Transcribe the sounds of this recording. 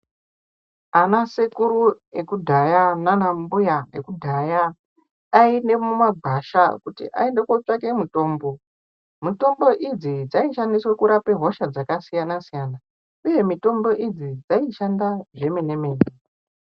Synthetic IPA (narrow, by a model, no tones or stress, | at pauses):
anasekuɾu | ekudʱajananambujaekudʱajaː | ine̞mumaɡʱaʃakutḭʔa̰endekwot͡ʂake̞mito̞ːmbo̞ | mito̞mbo̞ʔid͡zid͡zaiʃandiswakuɾape̞ɦo̞ʃad͡zakasijanasijana | uje̞mito̞mbo̞ʔid͡zid͡zaiʃandaʐe̞me̞ne̞me̞ːne